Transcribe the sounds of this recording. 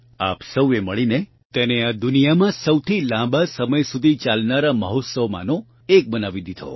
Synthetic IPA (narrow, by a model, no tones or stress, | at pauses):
a̰psəweməɭine | t̪enead̪ʊnijamãsəwt̪ʰilãbasəməjsud̪ʱit͡ʃalnaɾaməɦot̪səʋma̰no | ek̚bənaʋid̪id̪ʱʰo̰